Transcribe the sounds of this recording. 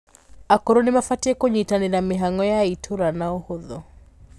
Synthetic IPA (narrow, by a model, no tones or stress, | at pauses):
akoɾonɪmafatiekoɲitanenamɪɦaŋɡɔjaitʰoɾanaohoðɔ